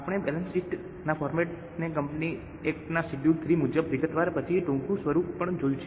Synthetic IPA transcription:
apəɽ̃ebɛlənsiʈ | nafʰɔɾmeʈ̚ | nek̬əmpni | ekʈnasiʈjut̪ʰɾimud͡ʒəbʋiɡət̪ʋaɾpət͡ʃʰiʈũŋkũsʋəɾuppəɳd͡ʒojũt͡ʃʰe

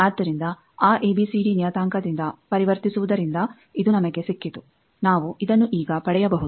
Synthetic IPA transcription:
aːd̪ːɐɾind̪ɐ | aːʔeːbisiɖinijɐt̪aːŋkɐd̪ind̪ɐpɐɾiʋɐɾt̪isuʋud̪ɐɾind̪ɐ | id̪unɐmɐɡe̞sikːit̪u | naːʋuid̪ɐnːuʔiːɡɐpɐɽɛjɐbɐɦud̪

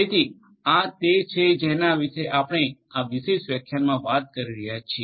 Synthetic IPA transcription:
et̪ʰi | at̪et͡ʃʰed͡ʒenaʋiʃeʔapəɽ̃eaʋiʃeʃʋjəkʰjanmãʋat̪̚kəɾiɾəɦjat͡ʃʰie

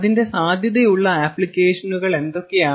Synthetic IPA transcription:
ðinde̞saːd̪ʱjɐðejuɭːɐaːpːlɭikːe̞ːʂɐnuɣɐɭe̞nd̪o̞kːe̞jaː

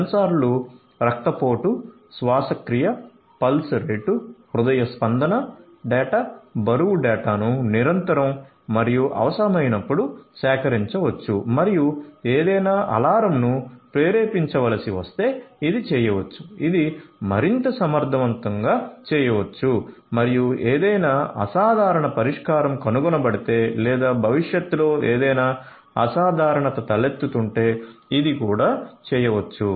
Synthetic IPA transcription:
ɐnɐsaːɾlu | ɾɐk̚t̪ɐpo̞ːʈu | sʋaːsɐkɾijɐ | pɐlsɾeːʈu | ɾud̪ɐjɐspɐnd̪ɐnɐ | ɖɛːʈabɐɾuwuɖɛːʈaːnuniɾɐnt̪ɐɾɐmː | ɐɾijuʔɐ̰ʋɐsɐɾɐmɐjnɐpːuɽusɛːkɐɾiɲt͡ʃɐʋɐt͡ʃːumɐɾijueːd̪ɐjnaːʔɐ̰laːɾɐmnupɾeːɾeːpiɲt͡ʃɐʋɐlɐsiʋɐst̪e̞ːid̪it͡ʃɛːjɐʋɐt͡ʃːu̥id̪imɐɾint̪ɐsɐmɐɾd̪ʱɐʋɐnt̪ɐŋɡaːt͡ʃɛːjɐʋɐt͡ʃːu | mɐɾijueːd̪ɐjnaːɐ̰saːd̪ʱaːɾɐɳɐpɐɾiʂkaːɾɐmkɐnuɡɔnɐbɐɽit̪e̞ːlɛːd̪aːbʱɐʋiʂjɐt̪ːulo̞ːeːd̪ɐjnaː | ɐ̰saːd̪ʱaːɾɐɳɐt̪ɐt̪ɐlet̪ːut̪uɳʈeːid̪ikuːɽaːt͡ʃɛːjɐʋɐt͡ʃːu

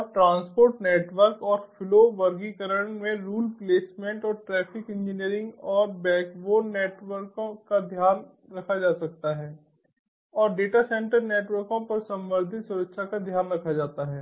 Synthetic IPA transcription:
ɔɾʈɾãːnspoːɾʈneːʈʋəɾkɔːɾfʰɪloʋɐɾɡikəɾəɳmẽɾuːlpleːsmẽɳʈɔːɾʈɾɛːpʰɪkɪ̃nd͡ʒɪniəɾɪ̃ŋɡɔːɾbɛ̃ːkboːɾneːʈʋəɾkõːad̪ʱjaːn | ɾɐkʰad͡ʒaːsɐk̚t̪aɦɛː | ɔːɾɖeːʈasɛ̃ɳʈəɾneːʈʋəɾkõpɐɾsɐ̃mʋəɾd̪ʱɪt̪sʊɾəkʃʰakad̪ʱjaːnɾɐkʰad͡ʒaːt̪aɦɛː

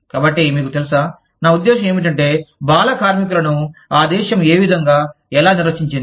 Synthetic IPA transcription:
kaːbɐʈːimiːkut̪elusaː | naːud̪ːɛːʃɐmeːmiʈ̬ɐɳʈe̞ːbaːlɐkaːɾmik̬ulɐnuaːd̪ɛːʃɐmeːʋid̪ʱɐŋɡaː | ɛlaːniɾʋɐt͡ʃiɲt͡ʃind̪i

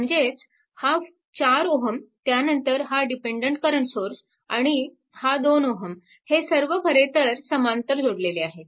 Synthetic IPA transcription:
məɳd͡zet͡s | ha | t͡ɕaɾoɦəmt̪janənt̪əɾɦaɖipeɳɖəɳʈkəɾəɳsoɾs | aɽ̃i | had̪onoɦəm | hesəɾʋəpʰəɾet̪əɾsəmant̪əɾd͡zʱoɽleleaɦe

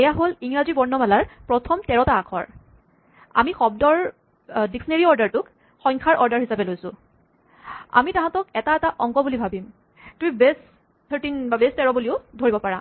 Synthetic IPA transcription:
ɛjaɦoliŋɹazibɔɹnɔmalaɹpɹɔtʰɔmtɛɹɔtaːkʰɔ̰ɹ | a̰mixɔb̚dɔɹ | diksɔneɹiɔɹdaɹtʊk | xɔjŋkʰaɹʔɔɹdaɹhisapɛlojsʊ̃ | a̰mitaɦãtɔkɛtaɛtaʔɔŋɡɔbulibʱabim | tũibes | tʰəɹtinbabestɛɹɔbuliʊdʱoɹibɔpaɹa̰

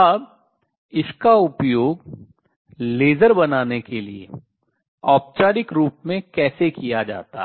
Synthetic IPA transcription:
əb | ɪskaʊpjoːɡ | leːzəɾbɐnaːnekeliḛ | ɔːp̚t͡ʃaːɾɪkɾuːpmẽkɛːsekijad͡ʒa̰ːt̪a̰ɦ

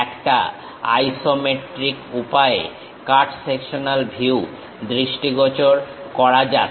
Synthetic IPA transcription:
ɛkʈa̰ | a̰jsomeʈɾikupae | kaɾʈsekʃonalbʱiw | d̪ɾiʃʈiɡɔt͡ɕoɾ | kɔɾad͡ʑa

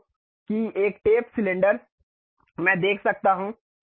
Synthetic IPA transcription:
kieːkʈeːpsɪlẽɳɖəɾ | mɛ̃ːd̪eːkʰsɐk̚t̪aɦũ

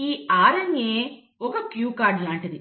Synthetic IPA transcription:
iːaːɾɐŋeː | ɔkɐkjuːkaːɾɖjɐːɳʈɐd̪i

